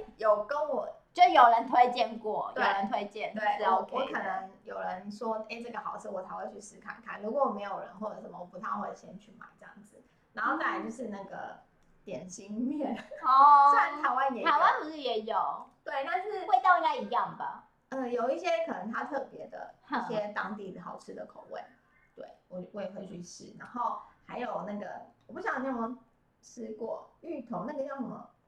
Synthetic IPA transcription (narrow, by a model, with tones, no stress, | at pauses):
jo˨˩ʊkə˦nwɔ˨˩t͡ɕo˥˩ʂjo˨˩ʊɻə˧˦nt̪ʰwe˥ɪt͡ɕjɛ˥˧nkwɔ˥˩j̪weo˥˨˩ɻə˧˦nt̪ʰwe˥ɪt͡ɕjɛ˥˩nwe˥˩ɪ˥˩o˧˩wɔ˧˦˥kʰɤ˨˩nə˧˦ŋjo˨˩ʊɻə˧˦nʂwɔ˥e˥˩ʈ͡ʂɤ˥˩ɡə˩xɑ˨˩ʊt͡s̩ʰ˥˩wɔ˨˩t̪ʰa˧˥ɪwa˥˧nt͡ɕʰy˥˧s̩˥˩kʰa̰˥˩nkʰa˥˩nlu˧˥kwɔ˧˦wɔ˨˩me˧˥ɪjo˨˩ʊɻə̰˧˦nxwɔ˥˩də˨˩ʂə˧˥mə˧˩wɔ˨˩pu˧˥t̪ʰa˥ŋxwe˥˩˨ɕjɛ˥nt͡ɕʰy˥˩ma̰˨˩˦ɪʈ͡ʂə˥˧jɑ̰˥˩ŋd͡zɹ̩˩ | na˧˥nxo˥˧ʊna˥˩a˧˩t͡ɕjo˥˧ʊʂɻ̩˥˧na˥˩ɡə̰˩ | t̪jɛ˨˩nɕi˥ŋmjɛ˥˩n˩ɔ˥˩˥t̪ʰa˧˥ɪwa˦njɛ˨˩a˨˧˥ɪwa˥˦nku˧˥ʂ̩˥˩jɛ˨˧˥jo˨˩ʊt̪we˥ɪna˥˧nʂɻ̩˥˩˥we˥˧t̪ɑ˥˧ʊi˥˩na˥˩i˧˦jɑ˥˩ŋbə̰˨˩ | ə˥˧˩jo˨˩ʊi˥˩ɕjɛ˦˥kʰɤ˨˩nə˧˦ŋt̪ʰa˥t̪ʰɤ˥˩pjɛ˧˥d̪ə̰˨˧˥ɕjɛ˥t̪ɑ˥ŋt̪i˥˩d̪ə˩xɑ˨˩ʊʈ͡ʂʰɻ̩˥d̪ə˨kʰo˨˩ʊwḛ˥˩ɪ | t̪wḛ˥˩ɪwɔ˨˩we˥˩˨xwe˧˥ɪɕy˥˧ɕḭ˥˩na˧˥nxo˥˩ʊxa˧˥ɪjo˨˩ʊna˥˩ɡə̰˩wɔ˨pu˥˩ɕjɑ˨˩ŋ˩a˥˩ə˧˥ŋ | ʂɻ̩˥kwɔ˥˩y˥˩t̪ʰo˧˥˦ŋna˥˩ɡə˨˩jʊʂə˨˩mə̰˨˩